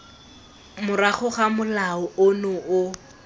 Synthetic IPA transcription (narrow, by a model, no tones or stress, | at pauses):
mʊraχʊχamʊlaɔʊnʊʊ